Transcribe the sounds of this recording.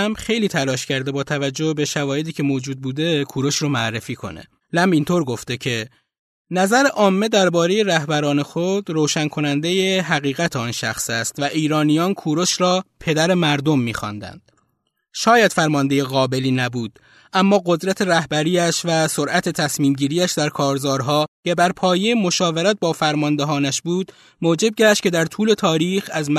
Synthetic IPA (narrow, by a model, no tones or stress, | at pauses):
mbxe̞jliːt̪ʰælɒːʃcʰæɾd̪e̞bɒːt̪ʰævæd͡ʒːohbeʃævɒːje̞d̪iːcʰe̞moːd͡ʒuːd̪̚buːd̪e̞kʰuːɾo̞ʃɾomoærːefiːkʰo̞̰ne̞̰ | læmbint̪ʰoːɾɡo̞ft̪e̞cʰe̞ | næzæɾe̞ʔɒːmːe̞d̪æɾbɒːɾe̞je̞ɾæhbæɾɒːne̞xod̪̥ɾoːʃænkʰo̞nænd̪e̞jeɦæɣiːɣæt̪ʰeɒːnʃæxsæst̪væʔiːɾɒːnijɒːnkʰuːɾo̞ʃɾɒːpʰe̞d̪æɾemæɾd̪o̞mːiːxɒ̰nd̪æ̰nd̪̥̚ | ʃɒːjæd̪fæɾmɒnd̪e̞jeɣɒːbe̞liːnæbuːd̪̥ | ʔæmːɒːɣo̞d̪ɾæt̪ʰe̞ɾæhbæɾiːæʃvæso̞ɾʔæt̪ʰe̞t̪ʰæsmiːmɟiːɾiːæʃd̪æɾkʰɒːɾzɒːɾɦɒːcʰe̞bæɾpʰɒːje̞jemo̞ʃɒːve̞ɾæt̪̚bɒːfæɾmɒnd̪eɦɒːnæʃbuːd̪ | moːd͡ʒe̞b̚ɟæʃt̪̚cʰe̞d̪æɾt̪ʰuːle̞t̪ʰɒːɾiːxæzm